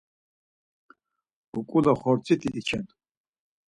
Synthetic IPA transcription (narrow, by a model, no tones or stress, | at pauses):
ukʼulaχɔɾt͡sʰit̪ʰiʔt͡ʃʰɛnt̪ʼ